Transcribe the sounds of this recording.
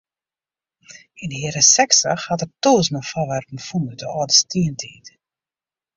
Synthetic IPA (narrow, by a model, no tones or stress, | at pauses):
inhiəɾəsɛksə̰xhatərtoːsnɔfaʋɛrpmfunədəɔːdəstiəntʰiːt